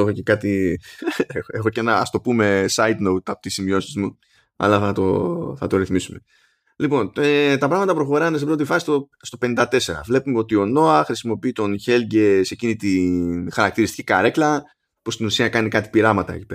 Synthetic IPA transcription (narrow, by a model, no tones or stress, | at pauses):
exoce̞kɐt̪i | e̞xo̞cenɐɐ̰st̪o̞pume̞sɐid̪nowt̪ɐpot̪isimio̞sizmu | ɐ̰lɐθɐt̪o̞̰θɐt̪o̞ɾiθmisume̞ | lipo̞net̪ɐpɾɐɣmɐt̪ɐpɾo̞xo̞ɾɐnesebɾo̞t̪ifɐsist̪o | st̪o̞pe̞nind̪ɐt̪e̞se̞ɾɐ̰vle̞pumeo̞t̪io̞no̞ɐxɾisimo̞piit̪o̞nçe̞lɟese̞cinit̪inxɐɾɐkt̪iɾist̪i̥cikaɾe̞klɐ | pust̪inusiɐkɐnikɐt̪i̥piɾɐmɐt̪ɐ̰ḛci̥peɾɐ